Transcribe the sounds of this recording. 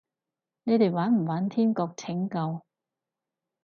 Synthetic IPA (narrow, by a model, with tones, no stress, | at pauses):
ne˨˧jt̪e˨jwaː˨˥nm̩˨˩waː˨˥nt̪ʰiː˥mkɔː˧k̚t͡sʰɪ˨˥ŋkɐ˧w